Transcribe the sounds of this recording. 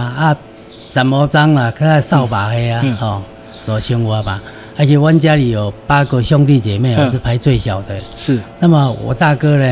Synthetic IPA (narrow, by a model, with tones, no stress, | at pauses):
a˦ | t͡sa˨˩mɔ˧˦t͡sa˦ŋla˨kʰa˦ka˧˨sa˥˧˨wpa˨he˧˦a˧hɔ̃˥˧˩ | t͡sɔ˨˩t͡ɕʰi˧ŋwa˨˧pa˨˦ | a˧˦˧kʰi˧wa˦nt͡ɕja˦li˨˩o˨˩pa˦ko˧ɕjɔ˧˦ŋt̪i˥˧˨t͡ɕe˨˩mẽ˧˨˧sɨ˧˩pʰa˨˧˦jt͡swe˥˧˨ɕja˨˩ʊt̪ə˨˧˨na˧˦ma˨˧˩ʔɔ̰˨˩t̪a˥˧kə˦le˧